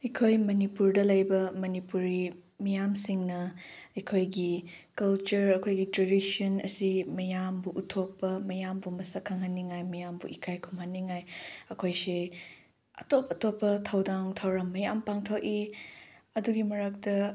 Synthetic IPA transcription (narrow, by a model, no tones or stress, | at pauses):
ɐjkʰojmɐnipuɾdɐlɐjbɐmɐnipuɾimijamsiŋnɐɐjkʰojɡikɐlt͡ʃuɾɐkʰojɡitɾedisionɐ̰simɐjambuʔːtʰok̚pːɐmɐjambumɐsɐkʰːaŋɦɐnːiŋajmɐjambṵikʰajkʰumhɐnːiŋajɐkʰojse | ɐ̰topɐtopːɐtʰɐwdaŋtʰɐwɾɐmːɐjampaŋtʰoki | ɐduɡimɐɾɐk̚tɐ